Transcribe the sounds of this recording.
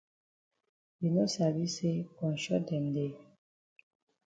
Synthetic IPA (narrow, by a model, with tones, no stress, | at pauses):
bi˨no˦sa˨βi˦se˦pɔ̃˨n˨ʃɔ˦dɛ˨n˨de˦